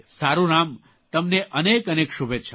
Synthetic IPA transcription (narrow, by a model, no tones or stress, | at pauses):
saɾũnam | t̪əmneʔənekənekʃubʱet͡ʃʰ